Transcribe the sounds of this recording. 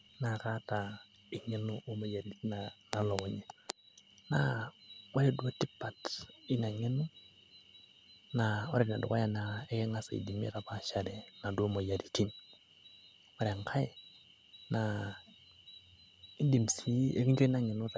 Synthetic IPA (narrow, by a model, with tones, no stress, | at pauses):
na˨ka˦ta˨ | i˨ŋe˦nu˦ʔo˦mo˨ja˨ɾi˨ti˦na˨na˨lo˨ku˦ɲe˨ | na̰˨˦wa˦ɾe˦du˦a˦ti˦pːa˨ti˦na˨ŋi˦nu˦ | na˨o˦ɾe˦tna˨du˨ka˦ja˦na˨e˦ke˦ŋa˦sa̰˨ḭ˨di˨mḭ˦ka˨pa˦ʃa˨ɾe˨na˨do˦mo˨ja˨ɾi˨ti˦n | wa˦ɾa˨ŋkʰa˦je˨ | na˨ | i˦di˨msi˦e˦ki˦d͡ʒo˦i˦na˨ŋi˨nu˦ta˨